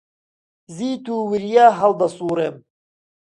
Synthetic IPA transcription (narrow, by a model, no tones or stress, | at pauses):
ziːt̪uwiɾijaɦɐld̪ɐsuːɾem